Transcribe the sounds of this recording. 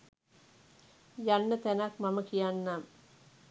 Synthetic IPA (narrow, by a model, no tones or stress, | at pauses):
janːɐt̪ɛnakmɐmɐkijaːnːaːm